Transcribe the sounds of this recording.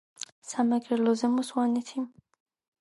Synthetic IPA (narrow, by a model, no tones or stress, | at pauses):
samaɡɛɾlɔzɛmɔswanɛt̪ʰim